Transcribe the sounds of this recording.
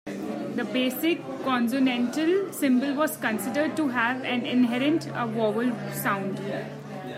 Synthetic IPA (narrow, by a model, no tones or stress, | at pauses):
d̪əbeːsɪkːɔ̃nsunɛ̃ɳʈəlsɪ̃mbəlʋɔːzkə̃nsɪɖəɾɖ̚ʈuɦæʋæ̃nɪ̃nɦɛɾə̃ɳʈəʋɔːʋəlsãʊ̃ɳɖ